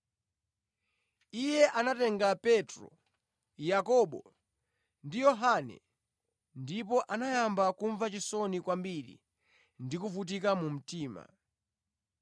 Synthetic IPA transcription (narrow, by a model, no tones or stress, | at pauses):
ijɛʔanatɛŋɡapɛtɾɔ̰ | jakɔɓɔ̰ | ndijɔɦanɛ̰ | ndip̬ɔʔanajambakuɱvat͡ʃisɔnikwambiɾḭ | ndikufut̬ikamum̩tiːma̰